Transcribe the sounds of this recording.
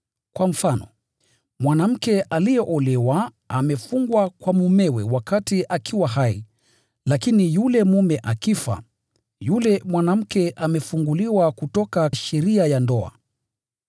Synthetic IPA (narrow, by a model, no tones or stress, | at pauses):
kwam̩fanɔ̰ | mwanam̩kɛʔalijɛʔɔlɛwa | amɛfuŋɡwakwamumɛwɛ̰wakatiʔakʰiwaɦaḭ | lakinijulɛmumɛʔakifa̰ | julɛmwanam̩kɛʔamɛfuŋɡuliwakutɔkaʃɛɾiajandɔa̰